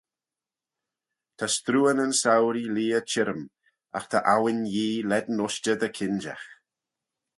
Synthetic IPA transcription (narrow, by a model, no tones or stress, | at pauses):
t̪ʰast̪ɾuːənənsawɾiliːət͡ʃʰɪɾəm | a̰xt̪ʰaʔawɪnjiːlɛd̪nɔʃt͡ʃəd̪əkʰɪnd͡ʒa̰x